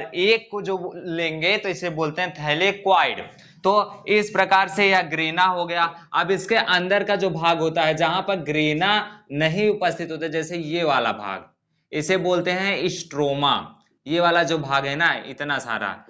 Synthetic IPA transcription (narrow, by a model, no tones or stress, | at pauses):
ɾeːkːod͡ʒoːlẽːŋɡet̪oɪseboːlt̪eɦɛ̃t̪ʰɛɦlekwaːɪɽ | t̪oːɪspɾɐkaːɾsejaɡɾiːnaɦoɡɐjaɐbɪskeʔɐ̃nd̪əɾkad͡ʒoːbʱaːɡɦoːt̪aɦɛd͡ʒɐɦãpɐɾɡɾiːnanɐɦĩʊpəst̪ʰɪt̪ɦoːt̪aɛd͡ʒɛːsejeʋaːla̰bʱa̰ːɡ | ɪseboːlt̪eɦɛ̃ɪsʈɾoːma̰ | jeʋaːlad͡ʒoːbʱaːɡɦɛnaɪ̰t̪nasa̰ːɾa̰